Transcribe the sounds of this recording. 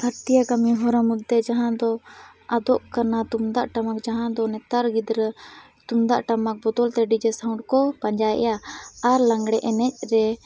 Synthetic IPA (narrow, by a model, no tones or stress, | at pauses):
bʱaɾt̪ijakamiɦɔɾamut̪ːɛd͡ʒaɦãd̪ɔ | ad̪ɔʔkanat̪umd̪aʔʈamak̚d͡ʒaɦãd̪ɔnɛt̪aɾɡid̪ɾə | t̪umd̪aʔʈamak̚bɔd̪ɔlt̪ɛɖid͡ʒɛsaũɖkɔpaɲd͡ʒajʔɛ̰jaaɾlaŋɡɽɛʔɛnɛc̚ˀɾɛ